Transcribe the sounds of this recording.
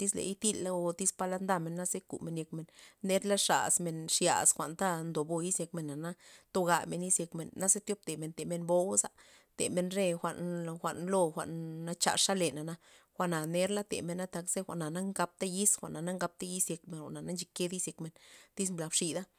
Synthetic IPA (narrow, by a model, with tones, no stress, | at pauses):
t̪i˦slḛ˨i˦t̪i˦lːa˦o˧t̪i˦spa˧la˧nd̪a˧me˨nːa˦ze˦kṵ˨me˨nje˧kme˨nːe˦ɾla˦ʂa̰˨sme˨nʂja̰˨sxʷa̰˨ʔnt̪a˦nd̪o˨bo˧ji˦sje˧kme˨nːa˨na˦t̪o˧ɡa˧me˨ni˦sje˧kme˨nːa˦ze˦t̪jo˦p̚t̪e˨me˨nt̪e˨me˧nbo˦wsa̰˧ | t̪ḛ˨me˧nɾe˦xʷa̰˨˧ʔnxʷa̰˨ʔnlo˧xʷa̰˨ʔnːa˧t͡ʃa̰˧˨ʂa˦le˨na˨na˧˦ | xʷa˧ʔna˨ne˦ɾla˦t̪ḛ˨me˧˨na˦t̪a˧kz̥e˦xʷa˨ʔna˨na˦ŋɡa˧p̚t̪a˦ji˦sxʷa̰˨ʔna˨na˦ŋɡa˧p̚t̪a˦ji˦sje˧kme˨nxʷa̰˨ʔna˨na˦nt͡ʃi˧ke˦d̪i˦sje˧kme˨nt̪i˦s̬mbla˧bʂi˧d̪a˦